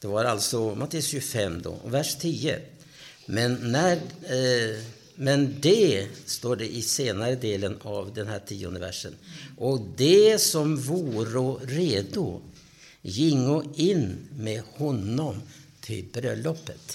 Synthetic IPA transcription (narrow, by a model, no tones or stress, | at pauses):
d̪̥ɛvaɾalt̪sɔmat̪ʰːeːəsɕɵfɛmd̪ɔ̰ːvæʂt̪ʰiːə̰ | mɛnːæ | mɛnd̪ɛst̪oːɖɛʔɪseːnaɾəd̪eːlənavd̪ɛnɦæːʈʰiːʊ̰nd̪əvæ̰ʂə̰nʔɔd̪ɛsɔmvuːɾɔɾeːd̪ʊ̰ | jɪŋːɔɪnmɛhɔnːɔmt̪ʰɪlbɾœlɔpːət̪